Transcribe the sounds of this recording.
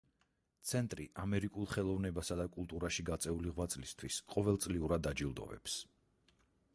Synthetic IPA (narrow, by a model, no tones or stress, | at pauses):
t̪sʰɛnt̪ʼɾiʔamɛɾikʼulˠχɛlˠɔvnɛbasad̪akʼulˠt̪ʼuɾaʃiɡat̪sʼɛuliʁwat̪sʼlist̪ʰwisqʼɔvɛlˠt̪sʼliuɾad̪ːad͡ʒilˠd̪ɔ̰vɛ̰ps